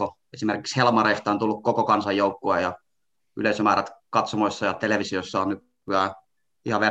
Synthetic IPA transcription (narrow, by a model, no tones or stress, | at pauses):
o | esimerki̥kshelmɑreist̪ɑont̪ulːukkokokɑnsɑjjoukːoejɑ | y̰lesømæræt̪kɑt̪somoisːɑjɑt̪eleʋisiosːɑonnyk̪ | kyæ | ihɑʋe